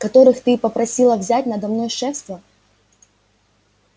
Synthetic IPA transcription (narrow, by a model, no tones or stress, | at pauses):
kɐt̪oɾɨxt̪ɨpɐpɾɐsʲilˠɐvzʲatʲnɐd̪ɐmnɔjʂɛfst̪vɐ